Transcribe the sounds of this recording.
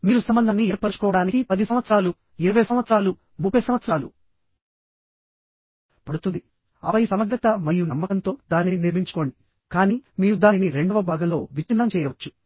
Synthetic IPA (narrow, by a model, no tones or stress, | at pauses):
miːɾusɐmbɐnd̪ɐnːiɛːɾpːɐt͡ʃu̥kɔːʋɐɽaːnikipɐd̪isɐmʋɐt̪sɾaːlu | iɾɐʋɐjsɐmʋɐt̪sɐɾaːlu | mupʰːɐjsɐmʋɐt̪sɐɾaːlṵ | pɐɽut̪und̪i | ɐ̰ʋɐjisɐmɐɡ̪ɾɐt̪ɐmɐjunɐmːɐkɐnt̪o̞ːd̪aːniniɾmiɲt͡ʃu̥ko̞ːɳɖi | kaːniːmiːɾud̪aːniniɾe̞ɳɖɐʋɐbʱaːɡɐmlo̞ːʋit͡ʃinːɐmt͡ʃɛːjɐʋɐt͡ʃːu̥